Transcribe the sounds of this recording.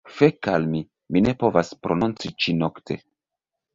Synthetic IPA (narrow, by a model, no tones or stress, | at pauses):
fekalmi | mine̞po̞vaspɾo̞nunt͡sit͡ʃino̞ktʰe̞̰